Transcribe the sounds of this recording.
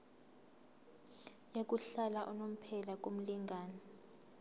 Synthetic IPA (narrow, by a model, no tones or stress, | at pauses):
jek̬ʼuɬalaʔṵnom̩pʰɛlak̬ʼom̩liŋɡʱaːnɔ